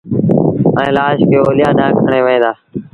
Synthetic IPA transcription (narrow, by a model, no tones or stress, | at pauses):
əẽːlaːʃkeːoːlɪjaːd̪ãːkʰəɳeːʋəẽːd̪aː